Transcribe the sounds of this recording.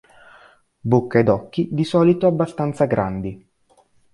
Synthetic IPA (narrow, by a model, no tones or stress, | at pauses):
bokːaed̪ɔkːid̪isɔːlit̪oabːast̪ant̪saɡɾʔa̰nd̪i